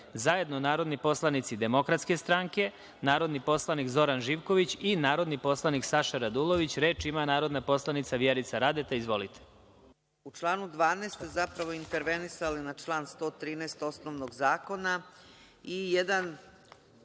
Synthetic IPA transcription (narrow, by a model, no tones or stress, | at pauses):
zaje̞d̪nonaːɾo̞d̪nipo̞slˠanit̪sid̪e̞mo̞kɾat̪ske̞st̪ɾaŋke̞ | naːɾo̞d̪nipo̞slˠanikzo̞ɾanʒiːʋko̞ʋit͡ɕinaːɾo̞d̪nipo̞slˠaniksaʃaɾad̪ulˠo̞ʋit͡ɕɾe̞ːt͡ʃimanaːɾo̞d̪napo̞slˠanit̪saʋjeɾit̪saɾad̪et̪eizʋo̞lit̪ʰe̥ | ut͡ʃlˠaːnud̪ʋaːneːst̪ezapɾaʋoint̪eɾʋenisalinat͡ʃlˠaːnst̪o̞ːt̪ɾiːnɛːst̪o̞snoʋnoɡzaːko̞na | ijed̪an